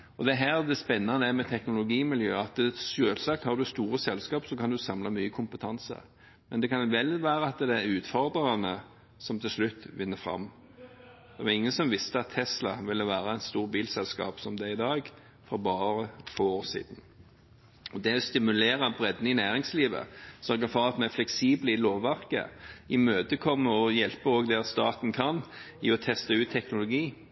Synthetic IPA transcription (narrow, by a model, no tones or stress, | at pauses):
ɔd̪ɛɦæːʁd̪ɛspɛnːɑnəæmɛt̪ʰɛknʊlʊɡiːmɪljøːɑt̪ʃøːlsɑkt̪hɑʁd̪ʉst̪uːɾəsɛlskɑːpsɔkɑnd̪ʉsɑmlɑmyːəkʰʊmpət̪ʰɑnsə̰ | mɛnd̪ɛkɑnʋɛlːʋæːɾəɑt̪d̪ɛɾʉːt̪fɔʁd̪ʁəɑnə | sɔmt̪ʰɪlslʉt̪ːʋɪnːəfɾɑ̰mː | d̪̥ɛʋɑɾɪŋːənsɔmʋɪst̪əɑt̪ʰːɛslɑʋɪlːəʋæːɾəɛɪnst̪uːʁbiːlsɛlskɑ̰ːpsɔmd̪ɛɪd̪ɑːɡ | fɔɾbɑːɾəfoːoːsḭːd̪ən̩ | ɔd̪ɛɔst̪ɪmʉleːʁɑbɾɛd̪nɪnæːʁɪŋsliːʋə̰sœɾɡəfɔʁɑt̪mɛflɛksiːbləɪloːʋːæʁkə̰ɪmøːd̪əkʰɔmːəɔjɛlpəoːɡd̪ɛʁst̪ɑːt̪n̩kʰɑn | ɪ̰ɔt̪ʰɛst̪əʉːt̪ʰːɛknʊlʊɡiː